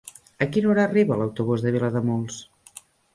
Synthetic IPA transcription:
əkinoɾaːriβələwt̪uβ̞uzðəβ̞iləðəmolˠs

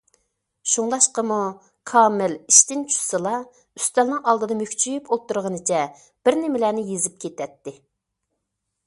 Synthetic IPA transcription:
ʃuŋlˠɑʃqəmu | kʰɑːmɪliʃt̪ɪnt͡ʃʰu̥sɨlˠɑ | yst̪ɛlnɪŋɑlˠd̪ɨd̪ɑmøkʲt͡ʃʰyjypʰot̪ːuɾʁənɨt͡ʃʰɛ | b̥ɪɾnɪmɪlæːnɪjezɪp̚kʲʰet̪ɛt̪ːɪ

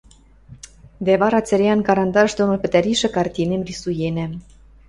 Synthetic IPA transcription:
d̪æβɑɾɑt͡sɘɾʲeɑnkɑɾɑnd̪ɑʃd̪onopɘ̆t̪æɾiʃɘ̆kɑrt̪ʲinemrisujenæ̆

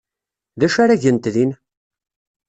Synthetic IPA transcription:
ðæʃaɾaʝənt̪ðin

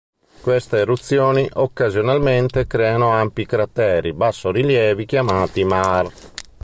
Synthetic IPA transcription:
kwest̪eːrut̪sːjoːniʔokːazjonalment̪ekɾɛːanoampikɾat̪ːɛːɾibasːoɾiljɛːvik̟jamaːt̪imar

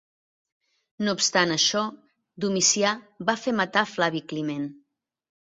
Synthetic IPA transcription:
noupst̪anəʃɔ | d̪umisiaβafemət̪aflaβiklimen

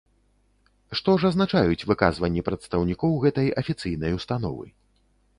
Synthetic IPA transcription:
ʂt̪ɔʐɐznat͡ʂajut͡sʲvɨkazvɐnʲːipɾɐt̪st̪ɐwnʲikɔwɣɛt̪ɐjɐfʲit̪sɨjnɐjust̪an̪ɔ̰vɨ̰

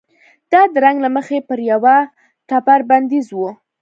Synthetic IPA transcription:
d̪̥ɑd̪əɾaŋɡlaməxepəɾjawa | ʈapaɾband̪izwu

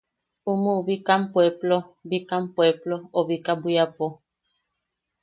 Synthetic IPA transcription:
umũβikampweplobikampweplooβikabujapo

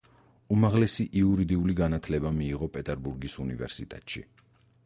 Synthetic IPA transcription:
umaʁlɛsiʔiuɾid̪iuliɡanat̪ʰlɛbamiːʁɔpʼɛt̪ʼɛɾbuɾɡisunḭvɛ̰ɾsit̪ʼɛ̰t̪ʼʃḭ

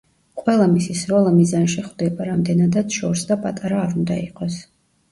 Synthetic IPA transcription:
qʼwɛlˠamisisɾɔlˠamizanʃɛχd̪ɛbaɾamd̪ɛnad̪at̪ʃɔɾsd̪apʼat̪ʼaɾaːɾund̪a̰iqʼɔs

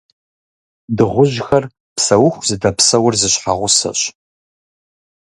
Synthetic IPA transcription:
dɨʁʷʊʑxɐr | psɐwʊxʷzɨdɐpsɐwʊrzɨɕħa̰ʁʷʊsɐ̰ɕ

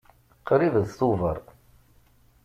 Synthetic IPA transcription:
qɾiðəðθuvəɾˤ

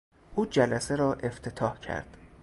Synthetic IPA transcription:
ʔuːd͡ʒælæseɾɒːʔe̞ft̪ʰe̞t̪ʰɒːhcʰæ̰ɾd̪̥

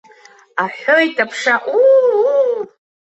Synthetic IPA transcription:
aħojtʼapʰʂaʔu

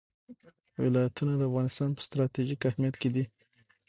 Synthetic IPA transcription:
wɪ̰lɑjat̪unad̪əafɣɑnɪst̪ɑnpə̥st̪ɾɑt̪iʒikahmjat̪ked̪i

